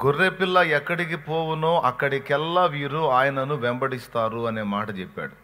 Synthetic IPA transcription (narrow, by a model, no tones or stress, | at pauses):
ɡurːeːpilːɐɛkːɐɽikipoːwunoːʔɐkːɐɽikɛlːɐʋiːɾuaːjɐnɐnuʋɛmbɐɽist̪aːɾuɐne̞ːmaːʈɐt͡ʃɛpːa̰ːɽu